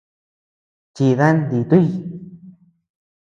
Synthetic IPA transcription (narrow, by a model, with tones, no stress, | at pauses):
t͡ʃi˧ða˦nd̪i˧˨t̪u˦ji˧